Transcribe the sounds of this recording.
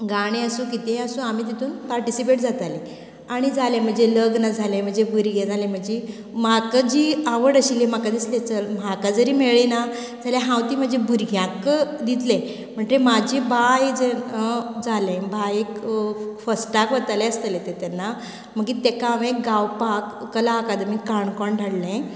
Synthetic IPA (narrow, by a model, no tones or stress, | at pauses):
ɡaɽ̃iəsũkit̪ẽəsũamiːt̪̬it̪ʰuːnpaɾʈisipeʈd͡zat̪alẽ | aɽ̃id͡zʱalẽm̤əɳd͡zeləɡnad͡zʱalẽm̤əɳd͡ʑebʱuɾɡẽd͡zʱalẽm̤əɳd͡ʑi | makad͡ʑiːaʋəɽəɕilem̤akad̪islẽt͡səlm̤akad͡zəɾiːmeɭina | d͡zʱaljaɦãwt̪iːm̤əd͡ʑebʱuɾɡʱjãkd̪it̪lẽ | m̤əɳd͡zemad͡ʑebajd͡ze | d͡zalẽbajekfəsʈakʋət̪alɛəst̪əlẽt̪et̪ɛnːa | m̤əɡit̪ekaʋẽkɡawpakːəlaəkad̪mikːaɳkɔɳɖʱaɽlẽ